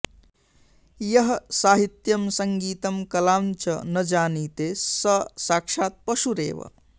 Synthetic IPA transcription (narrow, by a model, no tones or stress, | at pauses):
jɐɦsaːɦit̪jɐmsɐŋɡiːt̪ɐmkɐlaːmt͡ʃɐnɐd͡ʒaːniːt̪esɐsaːkʃaːt̪̚pɐʃuɾḛːʋə̰